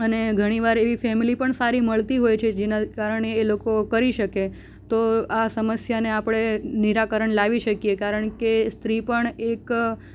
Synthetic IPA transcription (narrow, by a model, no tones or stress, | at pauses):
əneɡʱəɽ̃iʋaɾeʋifɛmilipəɳsaɾiməɭt̪iɦojt͡ʃʰed͡ʒenakaɾəɳeːlokokəɾiʃəke | t̪oasəməsjaneapɽ̃eniɾakəɾəɳlaʋiʃəkiekaɾəɳkest̪ɾipəɳek